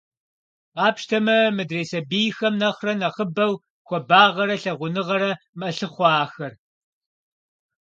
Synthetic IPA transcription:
qɑːpʃtʰɐmɐmɨdreːjsɐbijxɐmnɐχrɐnɐχəbɐw | xʷɔbaːʁɐɾɐɬɐʁʷʊnɨʁɐɾɐ | mɐɬɨχʷɑːxɐr

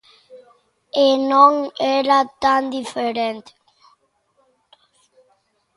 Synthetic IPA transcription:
enɔŋɛɾat̪and̪ifeɾɛnt̪

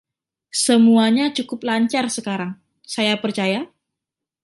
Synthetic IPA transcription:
səmuaɲat͡ʃukʊp̚laɲt͡ʃarsəkaɾaŋ | sajapərt͡ʃaja

